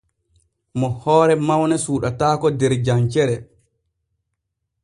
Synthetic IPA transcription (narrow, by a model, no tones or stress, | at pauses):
mɔhɔːɾɛmawnɛsuːɗataːkɔdɛɾd͡ʒaɲt͡ʃɛɾɛ